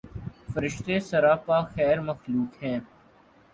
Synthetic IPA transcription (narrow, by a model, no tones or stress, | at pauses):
fəɾɪʃt̪esɐɾaːpaːxɛːɾməxluːkɦɛ̃ː